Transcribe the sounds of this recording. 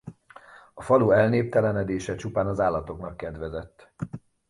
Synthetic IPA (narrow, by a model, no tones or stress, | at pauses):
ɒfɒluːɛlneːp̚t̪ɛlɛnɛd̪eːʃɛt͡ʃupaːnɒzaːlːɒt̪o̞knɒkːɛd̪ʋɛzɛt̪ː